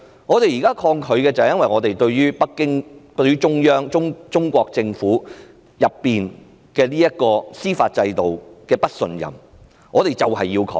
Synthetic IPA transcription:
ŋɔː˨˧t̪e˨jiː˨kaː˥kʰɔː˧ŋkʰɵ˨˧ɥkɛː˧t͡sɐ˨whɛ˨jɐ˥nwɐ˨˩jŋɔː˨˧t̪e˨jt̪ɵ˧ɥɥyː˥pɐ˥kːɪ˥ŋt̪ɵ˧ɥyː˥t͡ʃʊ˥ŋjœː˥ŋt͡ʃʊ˥ŋt͡ʃʊ˥ŋkʷɔː˧k̚t͡sɪ˧ŋfuː˨˥ | jɐ˨pːiː˨n | kɛː˧niː˥jɐ˥t̚kɔː˧siː˥faː˧t̚t͡sɐ˧jt̪o˨wkɛː˧pɐ˥t̚sɵ˧njɐ̰˨˩m | ŋɔː˨˧t̪e˨˩jt͡sɐ˨wɦɐ˨jːiː˧wkʰɔ̰ː˧ŋ

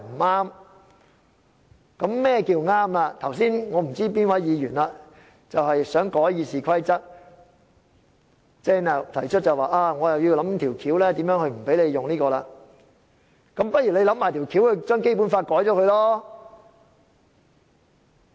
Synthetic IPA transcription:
m̩˨˩aː˥m | kɐ˨˧˥mːɛː˥˩kiː˧wŋaː˥mlaː˧t̪ʰɐ˨˩wsiː˥nŋɔː˨˧m̩˨˩t͡siː˥p̬iː˥nwɐ˨˥jjiː˨˧jyː˨˩nla˧ | t͡sɐ˨whɐ˨jsœː˨˥ŋkɔː˨˥jjiː˨˧siː˨˩kʰɐ˥jt͡sɐ˥t̚ | t͡sɛː˥ŋnɐ˨t̪ʰɐ˨˩jt͡ʃʰɵ˥t̚t͡sɐ˨waː˨˩ʔaː˧ŋɔː˨˧jɐ˨wji˧wlɐ˨˧˥mt̪ʰiː˨˩wkʰiː˨˥wlɛː˥t̪i˨˥mjœː˨˥ŋhɵ˧ɥm̩˨˩pe˨˥jle˨˧jjʊ˨ŋniː˥kɔː˧laː˧ | kɐ˨˦˥mpɐ˥t̚jyː˨˩le˧jlɐ˨˥mːaː˨˩t̪ʰːwkʰi˨˥whɵ˨˧t͡ʃœː˥ŋke˥jp̬uː˨˥nfaː˧t̚kɔː˨˥jt͡ʃɔː˨˧˥kʰɵ˧jlɔː˥

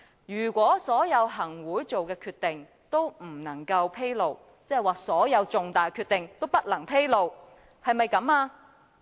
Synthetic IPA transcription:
jyː˨˩kʷɔː˨˥sɔː˨˥jɐ˨˧wɦɐ˨˩ŋwuː˨˥jt͡so˨wkɛː˧kʰyː˧t̪̚ɪ˨ŋ | t̪o˥wm̩˨˩nɐ˨˩ŋkɐ˧wpʰe˥jlo˨w | t͡sɛ˥˨jwaː˨sɔː˨˥jɐ˨˧wt͡sʊ˨ŋt̪aː˨˩jkʰyː˧t̪̚ɪ˨ŋt̪o˥wpɐ˥t̚lɐ˨˩ŋpʰe˥jlo˨w | hɐ˨jmɐ˨jkɐ˨˧˥maː˧

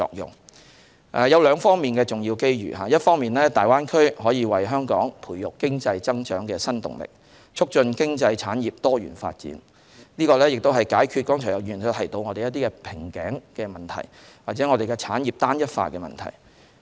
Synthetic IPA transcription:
ɔ̰ː˧k̚jʊ̰˨ŋ | ʔɛː˨jɐ˨˧wlœː˨˧ŋfɔː˥ŋmiː˨nkɛː˧t͡sʊ˨ŋjiː˧wke˥jɥy̰˨˩ɦaː˨˧jɐ˥t̚fɔː˥ŋmiː˨nlɛː˥t̪aː˨˩jwaː˥nkʰɵ˥ɥhɔː˨˥jiː˨˧wɐ˨jɦœː˥ŋkɔː˨˥ŋpʰuː˨˩jʊ˨k̚kɪ˥ŋt͡sɐ˧jt͡sɐ˥ŋt͡ʃœː˨˥ŋkɛː˧sɐ˥nt̪ʊ̰˨˩ŋlɪ̰˨˩k̚ | t͡ʃʰʊ˥k̚t͡ʃɵ˧nkɪ˥ŋt͡sɐ˧jt͡sʰaː˨˥njiː˨p̚t̪ɔː˥jɥy̰ː˨˩nfa̰ː˧t̚t͡sḭː˨˥n | niː˥kɔː˧lɛː˥jɪ˨k̚t̪o˥wɦɐ˨˩jkaː˨˥jkʰy˧t̚kɔː˥ŋt͡ʃʰɔː˨˩jɐ˨˩wjyː˨˩nɐ˧t̪ʰɐ˨˩jt̪o˧wŋɔː˨˧e˨jɐ˥t̪i˥kɛ˧pʰɪ˨˩ŋkɛ̰ː˨˥ŋkɛː˧mɐ˨˩nt̪ʰɐ̰˨˩jwaː˨k̚t͡sɛː˨˥ŋɔː˧ɾe˨jkɛ˧t͡sʰaː˨˥njiː˨˩p̚t̪aː˥njɐ˥t̚fa̰ː˧kɛ˧mɐ̰˨˩nt̪ʰɐ̰˨˩j

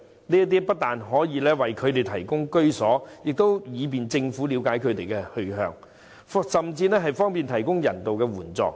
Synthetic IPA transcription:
niː˥ɐ˥t̪̬iː˥pɐ˥t̚t̪aː˨nɦɔː˨˥jiː˨˧lɛː˥wɐ˨jkʰɵ˨˧ɥt̪e˨jt̪ʰɐ˨˩jkʊ˥ŋkɵ˥ɥsɔː˨˥jɪ˨k̚t̪o˥wjiː˨˧p̬iː˨nt͡sɪ˧ŋfuː˨˥liː˨˧wkaː˨˥jkʰɵ˨˧ɥt̪e˨jkɛ˧hɵ˧ɦœ̰ː˨˧ŋ | fsɐ˨mt͡siː˧nɛː˥ɦɐ˨jfɔː˥ŋpiː˨nt̪ʰɐ˨˩jkʊ˥ŋjɐ˨˩nt̪o˨wkɛː˧wuː˨˩nt͡sɔ̰ː˨k̚

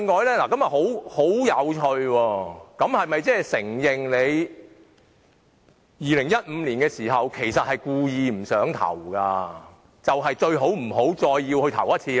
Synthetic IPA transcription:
ŋːɔː˨jlɛː˥laː˨kɐ˥mjɐ˨t̚ho˨˥who˨˥wjɐ˨˧wt͡ʃʰɵ˧ɥwɔː˧kɐ˨˥mhɐ˨˩jmɐ˨jt͡sɛː˥˩sɪ˨˩ŋjɪ˨ŋle˨˧j | jiː˨lɪ˨˩ŋjɐ˥t̚m̩˨˧liː˨˩nkɛː˧siː˨˩ɦɐ˨wkʰe˨˩jsɐ˨t̚hɐ˨jkuː˧jiː˨˧m̩˨˩sœː˨˥ŋt̪ʰɐ̰˨˩wkaː˧ | t͡sɐ˨wɦɐ˨jt͡ʃɵ˧ɥɦo˨˥wm̩˨˩ɦo˨˥wt͡sɔː˧jːiː˧whɵ˧t̪ʰɐ̰˨˩wjɐ˥t̚t͡sʰiː˧

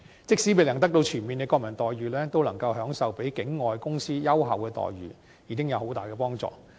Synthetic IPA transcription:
t͡sɪ˥k̚siː˨˥pe˨jlɐ˨˩ŋt̪ɐ˥k̚t̪o˧wt͡ʃʰyː˨˩nmiː˨nkɛː˧kɔː˧k̚mɐ˨˩nt̪ɔː˨jɥyː˨˩lɛː˥t̪o˥wlɐ˨˩ŋkɐ˧wɦœː˨˥ŋsɐ˨wpe˨˥jkɪ˨˥ŋːɔː˨jkʊ˥ŋsiː˥jɐ˥wɦɐ̰˨wkɛː˧t̪ɔ̰ː˨jɥy̰ː˨˩ | jiː˨˥kɪ˥ŋjɐ˨˧who˨˥wt̪aː˨jkɛː˧pɔː˥ŋt͡sɔ̰ː˨

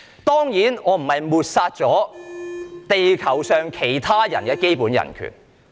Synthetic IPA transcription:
t̪ɔː˥ŋjiː˨˥nɔː˨˧m̩˨˩hɐ˨jmuː˨t̚saː˧t̚t͡sɔː˨˥ | t̪e˨jkʰɐ˨˩wsœː˨ŋkʰe˨˩jt̪ʰaː˥jɐ̰˨˩nkɛː˧ke˥jpuː˨˥njɐ̰˨˩nkʰy̰ː˨˩n

